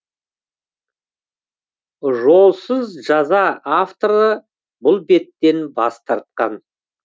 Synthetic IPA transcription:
ʒo̞lˠsəzʒɑzɑaft̪o̞ɾə | bʊlˠbe̞t̪ːe̞nbɑ̰st̪ɑɾt̪̚qɑn

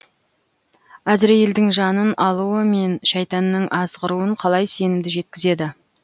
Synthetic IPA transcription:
æzɪɾje̞ld̪ɪŋʒɑnənɑlˠuwəme̞nʃɑjt̪ɑnːəŋʔɑzʁəɾuəɴqʰɑlˠɑjse̞nɪmd̪ɪʒe̞t̪̚kʲɪze̞d̪ɪ

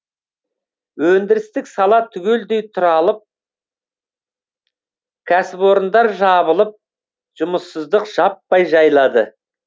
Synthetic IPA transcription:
wɵnd̪ɪɾɪst̪ɪksɑlˠɑt̪ʰʏɡʲe̞ld̪e̞jt̪ʰʊɾɑlˠəp̚ | kʲʰæsɪpo̞ɾənd̪ɑɾʒɑβəlˠəp̚ | ʒ̥ʊməsːəzd̪əqʒ̥ɑpːɑjʒɑjlˠɑd̪ə

